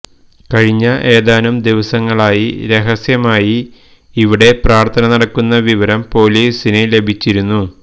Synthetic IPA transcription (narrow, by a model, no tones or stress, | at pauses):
kɐɻiɲːɐʔe̞ːðaːnumd̪iʋɐsɐŋːɐɭaːjiɾe̞ɦɐsjɐmaːji | iʋiɽe̞praːrt̪ʰɐnɐnɐɽɐkːunːɐʋiʋɐɾɐmpo̞ːliːsinele̞bʱit͡ɕːiɾunːu